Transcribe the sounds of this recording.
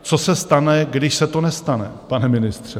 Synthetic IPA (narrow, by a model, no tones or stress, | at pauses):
t͡sosɛst̪anɛɡdɪʃsɛt̪o̞nɛst̪anɛ̰panɛmɪnɪst̪r̝̥ɛ